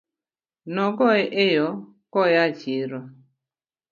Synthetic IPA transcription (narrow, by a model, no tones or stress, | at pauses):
nɔkɔʔejɔ | kɔjat͡ʃiɾɔ